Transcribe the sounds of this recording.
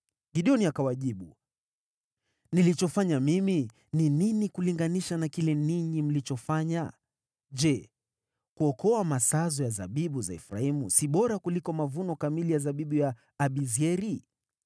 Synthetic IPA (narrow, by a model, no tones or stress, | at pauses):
ɡiɗiɔniakawaʄiɓu | nilit͡ʃɔfaɲamimi | nininikuliŋɡaniʃanakilɛniɲim̩lit͡ʃɔfaɲa | d͡ʒɛ | kuɔkɔamasazɔjaza̰ɓiɓuzaḭfɾa̰imusiɓɔɾakulikɔmavunɔkamilijazaɓiɓujaː | ɓiziɛɾi